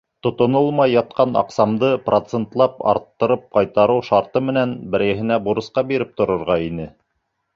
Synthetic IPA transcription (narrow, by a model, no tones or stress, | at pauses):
t̪ŏt̪ŏnɤlˠmɑjːɑt̪̚qɑnɑ̰qsɑmd̪ɤprot̪sent̪lˠɑpɑ̰ɾt̪ːɤ̆ɾɤp̚qɑjt̪ɑɾɤwʃɑɾt̪ɤmɘ̆nænbɘ̆ɾæjɦɘ̆næbuɾɤ̆sqɑbiɾɘp̚t̪ŏɾŏɾʁɑinɘ